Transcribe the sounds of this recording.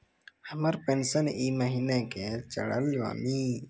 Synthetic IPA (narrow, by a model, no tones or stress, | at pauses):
həməɾpeːnsəniːməɦiːneket͡ʃə̰ɽə̰lʋa̰ːniː